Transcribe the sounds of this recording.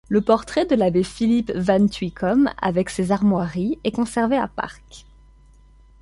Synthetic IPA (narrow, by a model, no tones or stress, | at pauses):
ləpɔʁt̪χɛd̪əlabefilipvant̪ɥikʰɔma̰vɛksezaʁmwaʁiɛkɔ̃sɛʁvea̰pa̰ʁk